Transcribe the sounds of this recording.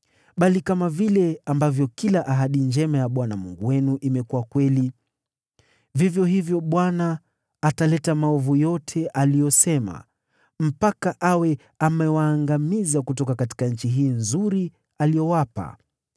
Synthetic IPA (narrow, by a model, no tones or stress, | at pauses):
ɓalikamavilɛambavjɔkilaʔaɦaɗind͡ʒɛmajaɓwanamṵŋɡuwɛnuʔimɛkuwakwɛli | vivjɔhivjɔɓwanaː | talɛtamaɔvujɔtʰɛʔalijɔsɛma̰ | m̩pakaʔawɛ | amɛwaːŋɡamizakutɔkakati̥kaɲ̩t͡ʃiɦiːnzuɾi | alijɔwapa̰